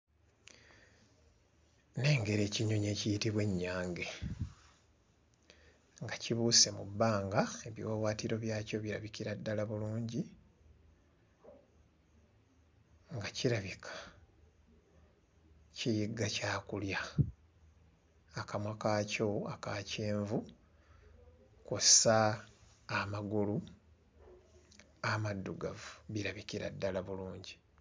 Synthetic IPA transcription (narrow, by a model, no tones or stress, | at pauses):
ne̞ːŋɡe̞ɾe̞ːciɲo̞ɲe̞ːcijitiβwe̞ɲːaːŋɡe̞ | ŋɡaciβuːse̞mubːaːŋɡae̞βjiwaβwaːtiɾo̞βjaːco̞βiɾa̰βikiɾadːalaβuluːɲɟi | ŋɡaciɾaβikʰḁ | cijiɡacaːkulja | akamwakaːco̞akaːceːɱvu | kusaː | maɡulu | amadːuɡavuβiɾaβikiɾa̰dːalaβuluːɲɟi